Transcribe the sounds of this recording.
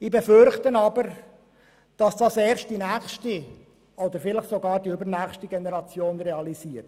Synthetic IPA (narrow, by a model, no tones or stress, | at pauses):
ibefʏɾχtənɑbəɾ | d̥ɑsd̥ɑsɛːɾst̚d̥inæːχʃti | od̪əɾfɪləχsoɡɑːɾdiybəɾnæːχstiɡenɛɾɑt͡sjoːnɾeɑliziːət